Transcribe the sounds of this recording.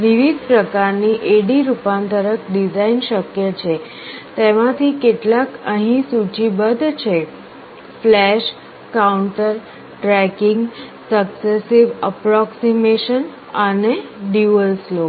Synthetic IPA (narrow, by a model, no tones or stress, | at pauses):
ʋiʋid̪pɾəkaɾniʔeɽiɾupãnt̪əɾəkɖid͡ʑainɕəkjət͡ɕʰe | t̪eʋat̪ʰiːkeʈlakə̃ɦĩsut͡ɕibəd̪ʱt͡ɕʰe | flɛɕ | kauɳʈəɾ | ʈɾɛkiŋɡ | səksesiʋəpɾɔksimeɕən | aneɖjuəlslo